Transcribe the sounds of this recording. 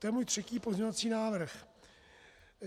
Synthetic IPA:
t̪ojɛmuːjt̪r̥ɛciːpo̞zɲɛɲovat͡siːnaːvr̩x

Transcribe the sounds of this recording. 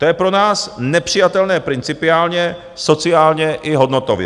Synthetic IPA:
t̪ojɛpɾo̞naːsnɛpr̥ɪjat̪ɛlnɛːpɾɪnt͡sɪpɪaːlɲɛ | so̞t͡sɪaːlɲɛʔɪɦo̞dno̞t̪ovjɛ̰

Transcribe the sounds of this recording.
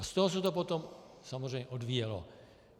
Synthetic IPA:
ast̪oɦos̬ɛt̪opot̪om | samozrɛjɲɛʔodviːjɛlo̰

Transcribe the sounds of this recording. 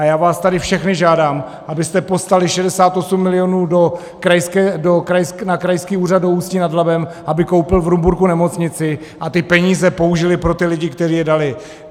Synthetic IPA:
ajaːvaːst̪adɪfʃɛxnɪʒaːdaːm | ʔabɪst̪ɛpo̞st̪alɪʃɛdɛsaːt̪ʔo̞sumːɪlɪjo̞nuːdo | kɾajskɛdokɾajsknakɾajskiːuːrad̪̚douːscinadlabɛmʔabɪko̞wpɪlvɾumbuɾkunɛmo̞t͡sɲɪt͡sɪ | ʔat̪ɪpɛɲiːzɛpo̞uʒɪlɪpɾo̞t̪ɪlɪɟɪkt̪ɛriːjɛdalɪ

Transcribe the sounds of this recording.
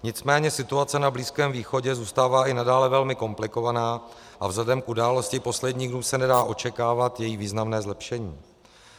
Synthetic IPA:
ɲɪt͡smɛːɲɛsɪt̪uat͡sɛnabliːskɛːmviːxo̞ɟɛzuːst̪aːvaːʔɪnadaːlɛvɛlmɪko̞mplɪko̞vanaː | ʔavzlɛdɛmkʔudaːlo̞scɪpo̞slɛdɲiːɣdnuːsɛnɛdaːʔo̞t͡ʃɛkaːvat̪jɛjiviːznamnɛːzlɛpʃɛɲiː

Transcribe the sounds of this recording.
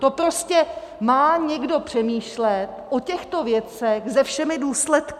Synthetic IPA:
t̪opɾoscɛ | maːɲɛɡdo̞pr̝̥ɛmiːʃlɛt̪ʔocɛxt̪o̞vjɛt͡sɛɣzɛfʃɛmɪduːslɛt̪k

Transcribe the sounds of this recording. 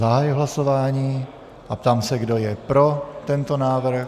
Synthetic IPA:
zaɦajʊɦlaso̞vaːɲiː | ʔap̚t̪aːmsɛɡdo̞jɛpɾo̞t̪ɛnt̪o̞naːvɾ̩

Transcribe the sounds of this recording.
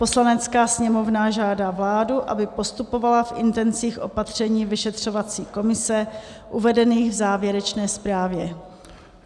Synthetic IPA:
po̞slanɛt͡skaːsɲɛmo̞vnaʒaːdaːvlaːduʔa̰bɪpo̞st̪upo̞valafʔɪnt̪ɛnt͡siːxʔo̞pat̪r̝̥ɛɲiːvɪʃɛt̪r̝̥o̞vat͡siːko̞mɪsɛ | ʔuvɛdɛniːɣvzaːvjɛɾɛt͡ʃnɛːspɾaːvjɛ

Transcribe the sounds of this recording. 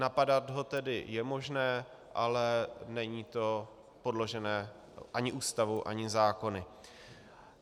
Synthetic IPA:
napadat̪ɦo̞t̪ɛdɪjɛmo̞ʒnɛː | ʔalɛnɛɲiːt̪o̞ | po̞dlo̞ʒɛnɛː | ʔaɲɪʔuːst̪avuʔa̰ɲɪzaːko̞nɪ

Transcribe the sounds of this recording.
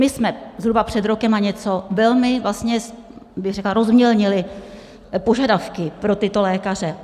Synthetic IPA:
mɪsmɛzɦɾubapr̝̥ɛd̪ɾo̞kɛmaɲɛt͡so̞vɛlmɪvlast̪ɲɛs | bɪɣrɛklaɾo̞zmɲɛlɲɪlɪ | po̞ʒadafkɪpɾo̞t̪ɪt̪o̞lɛːkar̝ɛ

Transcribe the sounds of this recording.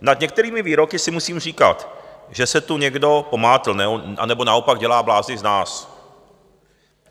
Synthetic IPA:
nad̪ɲɛk̚t̪ɛɾiːmɪviːɾo̞kɪsɪmusiːmriːka̰t̪ʒɛsɛt̪uɲɛɡdo̞po̞maːt̪l̩nɛoa̰nɛbo̞naopaɡɟɛlaːblaːznɪznaːs

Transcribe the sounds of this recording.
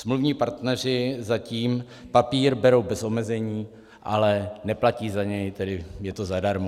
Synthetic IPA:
smluvɲiːpaɾt̪nɛr̝ɪzaciːm | papiːɾbɛɾo̞wbɛso̞mɛzɛɲiː | ʔalɛnɛplaciːzaɲɛjt̪ɛdɪjɛt̪o̞zadaɾmo

